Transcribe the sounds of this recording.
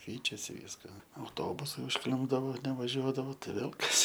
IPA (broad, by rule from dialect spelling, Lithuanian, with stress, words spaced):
ˈkʲɛɪt͡ʃʲɛsʲɪ ˈʋʲiːskɐ ɐʊˈtoːbʊsɐɪ ʊʃˈklʲɪmbdɐʋoː nʲɛʋɐˈʒʲuɔdɐʋoː tɐɪ ˈʋʲeːlˠ ˈkɐs